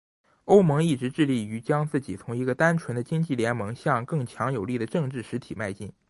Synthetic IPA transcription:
o˥ʊmɤ˧˥ŋi˥˩ʈ͡ʂɻ̩˧˥ʈ͡ʂɻ̩˥˧li˥˩y˧˥t͡ɕjɑ˥ŋt͡sɹ̩˥˩t͡ɕi˨˩t͡s̪ʰʊ˧˥ŋi˧˥ɡə˧t̪a˥nʈ͡ʂʰwə˧˥nd̪ə˧t͡ɕi˥ŋt͡ɕi˥˩ljɛ˧˥nmɤ˧˥ŋɕjɑ˥˧ŋkɤ˥˩ŋt͡ɕʰjɑ˧˥ŋjo˨˩ʊli˥˩d̪ə˩ʈ͡ʂɤ˥˧ŋʈ͡ʂɻ̩˥˩ʂɻ̩˧˥t̪ʰi˨˩ma˥˧ɪt͡ɕi˥˩ŋ

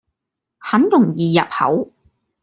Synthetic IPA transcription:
hɐ˨˥nt̪ʊ˨˩ŋjiː˨jɐ˨p̚hɐ̰˨˥w

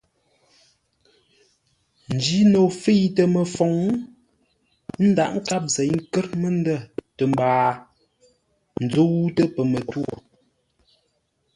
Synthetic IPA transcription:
n̩˨d͡ʒi˦no˨fi˦jtə˨mə˨fɔ˨˦ŋ˦ | n̩˦da˨ʔŋ̩˦ka˦p̚zɛ˨˦ŋ̩˦kə˦ɾmə˦n˦də˦˨tə˨m˨baː˨ | n̩˨d͡zo˦wu˦tə˦pə˨mə˨to˦˨

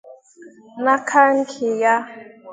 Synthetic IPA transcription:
na˦kʰa˦ŋ̩˦kʰi˨ja˦

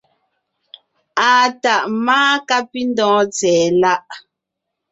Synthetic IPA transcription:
a˨ta˨ʔmaː˦ka˦pi˦n˦dɔ̃ː˨˦t͡sɛː˨la˦ʔ

